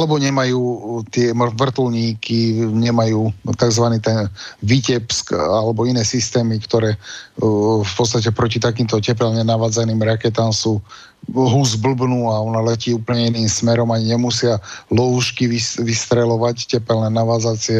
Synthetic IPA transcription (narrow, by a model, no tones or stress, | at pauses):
alɛbɔɲɛmajuːt̪ɪɛmʋr̩t̪l̩ɲiːkiɲɛmajuːt̪aɡzʋaniːt̪ɛnʋicɛpskalɛbɔinɛːsist̪ɛːmikt̪ɔɾɛː | fpɔt̪st̪ac̬ɛpɾɔcit̪akiːmt̪ɔcɛp̬ɛlɲɛnaʋaːd͡zaniːmɾakɛt̪amsuː | ɦuzbl̩bnuːaɔnalɛciːuːpl̩ɲɛiniːmsmɛɾɔmaɲiɲɛmusɪalɔuʃkiʋiʋist̪ɾɛlɔʋaccɛpɛlnɛnaʋaːd͡zaːt͡sɪɛ